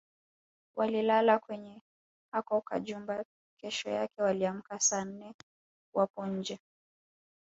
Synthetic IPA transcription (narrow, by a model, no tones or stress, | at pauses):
wʔalilalakwɛɲɛ | hakɔka̰ʄumba | kʰɛʃɔ̰jakɛwaliam̩kasaːn̩nɛ | wapɔɲ̩d͡ʒɛ